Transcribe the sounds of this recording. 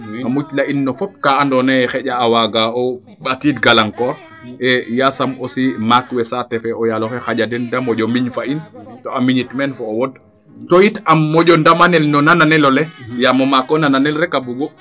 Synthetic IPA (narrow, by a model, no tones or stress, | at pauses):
amut͡ʃlaʔinːɔfɔp̚kaandɔnɛɛxɛʄaːwaɡaɔ | ɓatidɡalaŋkɔɾ | ʔɛjasamɔsimakwɛsatɛfɛʔɔjalɔxɛxaʄadɛndamɔʄɔmiɲfaintɔamiɲitmɛnfɔːwɔd | tɔjitamːɔɟɔndamanɛlnɔnananɛlɔlɛjamɔmakɔnananɛlɾɛkabuɡɔ